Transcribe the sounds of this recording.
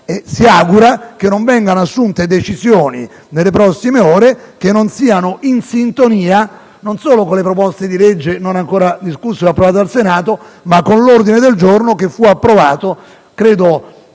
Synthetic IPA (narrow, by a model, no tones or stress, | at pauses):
esiaɡuɾakenːoɱvɛŋɡanoasːunt̪ed̪et͡ʃizjoːni | nelːepɾɔsːimeoːɾekenːonsiːanoʔinsint̪oniːa | nonsoːlokolepɾopɔst̪ed̪iled͡ʒːenonaŋkoːɾad̪iskusːoɛapːɾovaːt̪alsenaːt̪omakːonlord̪ined̪eld͡ʒornokefːuapːɾovaːt̪o | kɾeːd̪o